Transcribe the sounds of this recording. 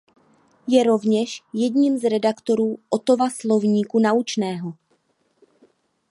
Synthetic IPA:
jɛɾo̞vɲɛʃjɛdɲiːmzɾɛdakt̪o̞ɾuːʔot̪o̞vaslo̞vɲiːkunaut͡ʃnɛːɦo̞

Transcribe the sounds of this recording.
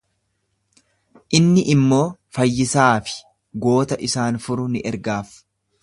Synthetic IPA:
ʔɪnːɪʔɪmːo̞ːfɐjːɪsaːfɪ̥ | ɡo̞ːt̪ɐʔɪsaːnfʊɾʊnɪʔɛɾɡaːf

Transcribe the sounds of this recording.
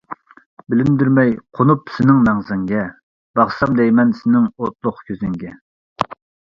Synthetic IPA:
bɪlɪmd̪yɾmɛjqʰonupsɪnɪŋmɛŋzɪŋɡʲɛ | b̥ɑχsɑmd̪ɛjmɛnsɪnɪŋot̪̚lˠʊqkʲʰøzɪŋɡʲɛ

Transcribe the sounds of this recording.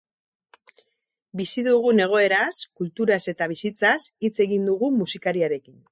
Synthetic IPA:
bisiðuɣ̞une̞ɣ̞o̞e̞ɾaskult̪uɾase̞t̪aβ̞isit͡sasit͡se̞ɣind̪uɣumusikaɾiaɾe̞kin

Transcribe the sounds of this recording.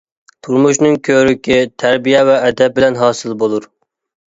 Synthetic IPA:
t̪ʰuɾmuʃnɨŋkʲʰøɾykʲɪt̪ʰæɾbijɛvɛːd̪ɛp̚bɪlɛnɦɑːsɨlˠbolˠuɾ

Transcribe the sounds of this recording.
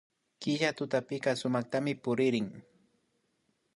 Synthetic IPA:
kɪʃat̪ʊt̪apɪkɑsʊmɑχt̪amɪpʊɾɪɾɪŋ

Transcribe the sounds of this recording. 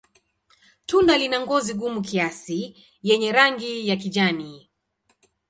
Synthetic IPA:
tundalinaŋɡɔziɠumukiasi | jɛɲɛɾaŋɡijak̬iʄani

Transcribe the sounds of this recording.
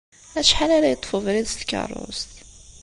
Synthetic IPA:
æʃħalæɾæjət̪ˤːfəvɾiðst̪kɑ̰rˤo̰st̪

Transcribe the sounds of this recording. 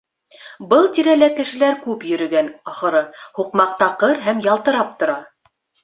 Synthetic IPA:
bɤlˠt̪iɾælækɘ̆ʃɘ̆læɾkʉpjɵ̆ɾɵ̆ɡænɑχɤ̆ɾɤhuqmɑq̚t̪ɑqɤɾɦæmjɑlˠt̪ɤ̆ɾɑp̚t̪ŏɾɑ

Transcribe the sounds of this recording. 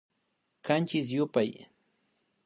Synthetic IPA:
kant͡ʃɪs̬jʊpaj

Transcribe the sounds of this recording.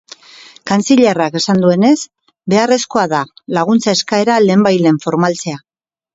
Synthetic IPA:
kant͡siʎerake̞sand̪ue̞ne̞s | be̞are̞sko̞aðalaɣ̞unt͡saeskae̞ɾale̞ːmbajle̞ɱfo̞ɾmalt͡se̞a

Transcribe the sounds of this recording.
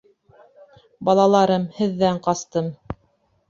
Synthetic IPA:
bɑlˠɑlˠɑɾɤmhɘ̆ðːæɴqɑst̪ɤm

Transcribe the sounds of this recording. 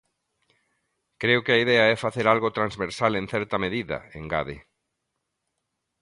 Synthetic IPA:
kɾeʊkɪɐiðɛɐɛfaθeɾalɣot̪ɾanzβeɾsalẽnθɛɾt̪ɐmeðiðɐ̰ḛŋɡa̰ðɪ

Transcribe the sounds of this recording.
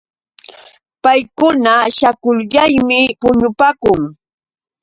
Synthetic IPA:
pajkʊnaʃakʊʎɢajmɪpʊɲʊpakʊŋ

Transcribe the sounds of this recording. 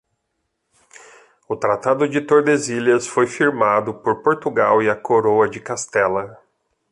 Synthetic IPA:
ʊt̪ɾat̪ad̪ʊd͡ʒɪt̪oɾd̪eziliɐsfojfiɾmad̪ʊpoɾpoɾt̪uɡawɪɐkoɾowɐd͡ʒɪkast̪ɛlɐ

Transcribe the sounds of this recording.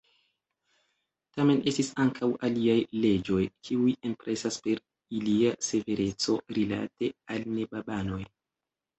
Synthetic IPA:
tame̞nʔe̞stisaŋkʰawʔaliajle̞d͡ʒo̞jkʰiujempɾʔe̞saspe̞ɾ | iliase̞ve̞ɾe̞t͡so̞ɾila̰te̞alne̞babano̞j

